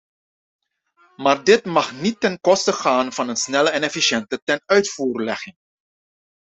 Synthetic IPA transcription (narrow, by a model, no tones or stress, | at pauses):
maːrdɪtmɑχnitːɛnkɔstəχaːnv̥ɑnənsnɛləɛnɛfiʃɛntətɛnœɥtfuːrlɛχɪŋ